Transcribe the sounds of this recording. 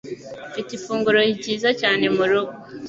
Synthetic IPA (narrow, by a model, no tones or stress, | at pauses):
fitifuːŋɡuɾo̞hiɟiːzacaːne̞muɾuɡo